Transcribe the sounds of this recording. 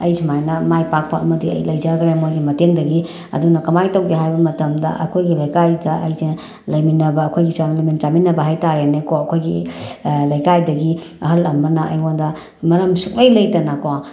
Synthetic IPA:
ɐjsʰɐmajnɐmajpak̚pʰaɐmɐdiɐ̰jlɐjzaɾɡɾemojɡimɐteŋdɐɡi | ɐ̰dunɐkɐmajtɐwɡeɦajbɐmɐtɐmdɐ̰ʔɐ̰kʰojɡilɐjkajdɐʔɐjze | lɐjminɐbɐːkʰojɡisanlɐjmint͡ʃaminːɐbɐɦajtaɾenekoɐkʰojɡi | lɐjkajdɐɡi | ɐɦɐlɐmɐnɐʔɐ̰jwandɐ | mɐɾɐmsuk̚lɐjlɐjtɐnakowa

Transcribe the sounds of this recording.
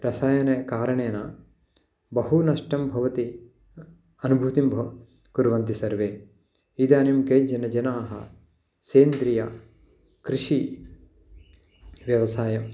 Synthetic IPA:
ɾɐsaːjɐnɐkaːɾɐɳeːnɐ | bɐɦunɐʂʈɐmbʱɐʋɐt̪i | ɐnubʱut̪imbʱɐ | kuɾʋɐnt̪isɐɾʋeː | id̪aːnimkɐjd͡ʒɐnɐd͡ʒɐnaːɦɐ̰ | seːnd̪ɾijɐ̰ | kɾiʂi | ʋjɐʋɐsaːjɐm

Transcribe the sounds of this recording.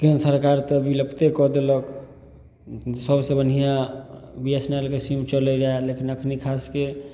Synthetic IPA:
kinsəɾkaɾt̪ɔbiləpʰt̪ekɔd̪elək | səbsẽbənɦijabiesnelkesimt͡ʃələjɾaelekʰinəkʰnikʰaske

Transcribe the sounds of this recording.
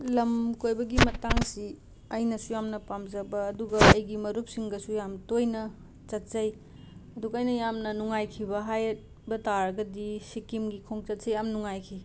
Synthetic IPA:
lɐmkojbɐɡimɐtaŋsi | ɐjnɐsujamnɐpamzɐbɐːduɡɐɐjɡimɐɾup̚siŋɡɐsujamtojnɐ | t͡ʃɐt̚sɐj | ɐduɡɐːjnɐjamnɐnuŋajkʰibɐɦajt̚ | bɐtaɾɐɡɐdisikimɡikʰoŋt͡ʃɐt̚sɐjamnuŋajkʰi

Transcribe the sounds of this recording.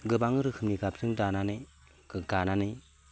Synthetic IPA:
ɡɯbaŋɯɾɯkʰɯmniɡap̚sʰɯŋdananɯj | ɡɯɡananɯj

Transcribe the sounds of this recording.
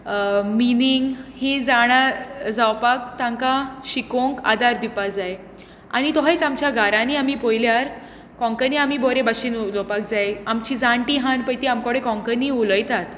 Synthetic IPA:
miniŋɡhẽd͡zaɽ̃ad͡zawpak̚t̪ãŋkaɕikõŋka̰d̪aɾd̪ipad͡zaj | a̰ñit̪ɔɦat͡samt͡ɕjaɡʱaɾãniamipojljaɾ | kɔ̃ŋkəniamiːbɔɾebaɕinlɔwpak̚d͡zajamt͡ɕid͡zãɳʈiɦãnpəjt̪iamkɔɽekɔ̃ŋkəniuləjt̪at̪

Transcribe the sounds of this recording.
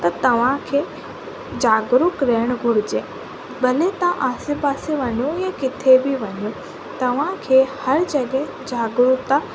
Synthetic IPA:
t̪ɐt̪ɐʋ̤ãkʰeː | d͡ʑaːɡɾʊkɾeːəɽ̃ɡʱʊɽɪd͡ʑeː | ɓʱɐlet̪ãʔaːsipaːsiʋɐɲojakɪt̪ʰebɪʋɐɲjo | t̪ɐʋ̤ãkʰeːhɐɾd͡ʑɐɠẽ | d͡ʑaːɡɾʊkt̪ã

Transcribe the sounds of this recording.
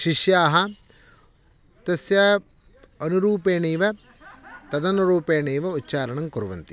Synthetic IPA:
ʃiʃjaːɦɐ | t̪ɐsjɐ | ɐnuɾuːpeːɳiːʋɐ | t̪ɐd̪ɐnuɾuːpeːɳeːʋɐutːt͡ʃaːɾɐɳɐmkuɾuʋɐ̰nt̪i̥

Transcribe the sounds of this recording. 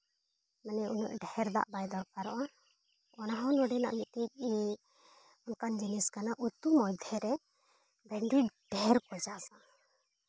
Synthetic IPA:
manɛunṵʔɖɛɾd̪a̰ʔbajd̪ɔɾkaɾɔʔa | ɔnaɦɔnɔɖɛna̰ʔmit̪̚ic̚ | unkand͡ʒiniskanaʔut̪umɔd̪ʱjɛɾɛ | bɛɳɖiɖ̥ʱɛɾkɔd͡ʒasa

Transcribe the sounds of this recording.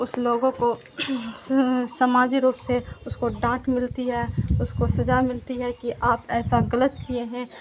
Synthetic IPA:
ʊsloːɡõko | sɐmaːd͡ʒiɾuːpseʊskoɖãːʈmɪlt̪iɦɛːʊskosɐd͡ʒamɪlt̪iɦɛkiʔaːpɛːsaɡɐlət̪̚kieɦɛ̃ː

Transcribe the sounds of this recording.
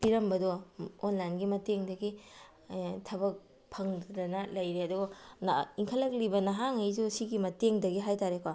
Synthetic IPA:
piɾɐmbɐdɔːnlajnɡimɐteŋdɐɡi | tʰɐbɐk̚ | pʰɐŋddɐnɐlɐjɾeɐduɡonaiŋkʰɐlɐk̚libɐnɐɦaŋɐjzusiɡimɐteŋdɐɡiɦajtaɾekowa

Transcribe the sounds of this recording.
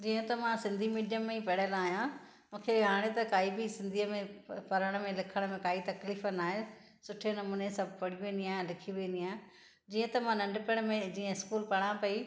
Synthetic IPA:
d͡ʑiːə̃t̪ɐmãsɪ̃nd̪ʱimiːɖjəmːẽĩpɐɽəlaːɦjã | mũːkʰeɦaːɽ̃et̪ɐkaːibɪsɪ̃nd̪ʱiːəmẽpɐɾəɽ̃əmẽlɪkʰəɽ̃mẽkaːit̪ɐkliːfənaːɦe | sʊʈʰenɐmuːnesɐbʱpɐɽ̤iʋẽːn̆d̪ijaːɦlɪkʰiʋẽːnd̪ijãː | d͡ʑiːə̃t̪ɐmãnɐ̃ɳɖpɪɽ̃mẽd͡ʑiːə̃ɪskuːlpɐɽ̃ãpɐi

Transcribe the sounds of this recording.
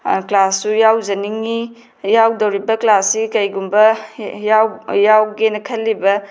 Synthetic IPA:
klasːujawzɐniŋi | jawdɐwɾibɐklasikɐjɡumbɐjawjawɡenɐkʰɐlːibɐ

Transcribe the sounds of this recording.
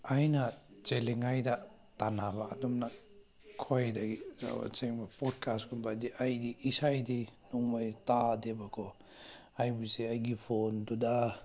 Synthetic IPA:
ajna | t͡ʃeleŋajda | tanaβaːdɔmna | kʰɔjdaɡiza̰ba̰t͡ʃeŋbapɔd̚kʰaskʰɔnbadiʔajdiʔisajdinɔŋmajtadebakʰɔ | ajbuseajɡipʰonduda

